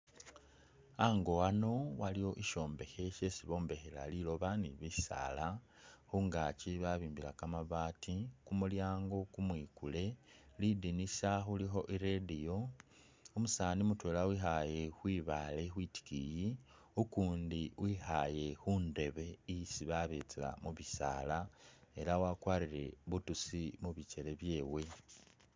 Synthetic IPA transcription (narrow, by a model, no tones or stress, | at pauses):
aŋɡo̞wano̞walijo̞ʔiʃo̞ːmbe̞xe̞ʃe̞siβo̞ːmbe̞xela̰lilo̞βanḭβisa̰la | xuŋɡaciβaβiːmbila̰kamaβaːtikumuljaːŋɡo̞kumwiːkule̞lidinisaxulixo̞ʔiɾedijo̞ | omusaːnimutweːlawixaje̞xwiːβalexwiːti̥kiji | ukuːndiwʔiːxaje̞xunde̞βe̞isiβaβet͡sila̰muβisa̰ːlae̞ɾawakwaːɾiɾe̞βutusimuβice̞le̞βje̞ːwe̞